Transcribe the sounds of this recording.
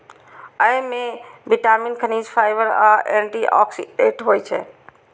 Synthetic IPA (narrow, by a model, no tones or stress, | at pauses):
əjmebiʈamiːnkʰəniːd͡ʒpʰaːɪʋəɾaeɳʈiʔɔ̰ksḭɖeʈɦojt͡ʃʰɛ̰